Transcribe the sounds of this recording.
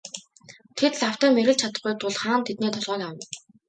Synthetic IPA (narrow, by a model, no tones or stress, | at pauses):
t̪ʰet̪ɮaw̥t̪æːmeɾɘ̆ɮt͡ɕʰat̪ə̆χɡujt̪ʊɮχaːnt̪ʰet̪̚neːt̪ʰɔɮʁœːkawə̆n